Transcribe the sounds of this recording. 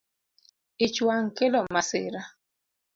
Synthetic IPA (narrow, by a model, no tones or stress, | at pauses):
ɪt͡ʃwaŋkelɔmaseɾa